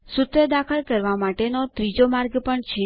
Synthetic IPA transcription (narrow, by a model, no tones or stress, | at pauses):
sʊt̪ɾəd̪akʰəlkəɾʋamaʈenot̪ɾid͡ʒomaɾɡpəɳt͡ʃʰe